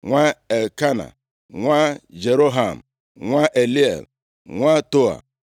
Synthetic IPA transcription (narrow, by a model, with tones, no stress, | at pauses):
ŋʷa˦e˨lka˦na̰˨ | ŋʷa˦d͡ʒe˨ɾo˦ɦa˨m̩˨ | ŋʷa˦ʔe˨li˦ḛ˨l | ŋʷa˦to˦a̰˨